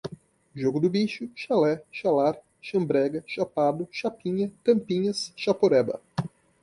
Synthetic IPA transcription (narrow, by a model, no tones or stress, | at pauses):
ʒoɡʊd̪ʊbiʃʊʃalɛʃalaɾ | ʃɐ̃mbɾɛɡɐʃapad̪ʊʃapĩɲɐt̪ɐ̃mpĩɲɐsʃapoɾɛbɐ̰